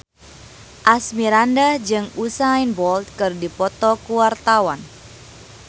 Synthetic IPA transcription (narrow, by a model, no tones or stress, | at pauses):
ʔasmiɾandad͡ʒɨŋusainbɔlt̪̚kɨrdipɔt̪ɔkuwart̪awan